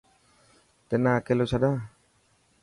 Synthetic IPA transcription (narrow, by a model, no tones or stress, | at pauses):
t̪ɛnakelosada